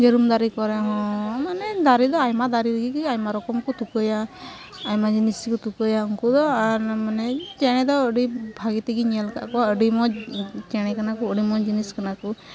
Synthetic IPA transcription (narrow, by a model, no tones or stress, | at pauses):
d͡ʒeɾumd̪aɾikɔɾɛɦɔ̃manɛd̪aɾid̪ɔajmad̪aɾibəɡikiajmaɾɔkɔmkɔt̪ukəja | ajmad͡ʒinisikut̪ukəjauŋkud̪ɔaɾmanɛt͡ʃɛɽ̃ɛd̪ɔəɖibʱaɡit̪ɛɡiɲɛlka̰ʔkɔəɖimɔt͡ʃɛɽ̃ɛkanakuəɖimɔd͡ʒiniskanaku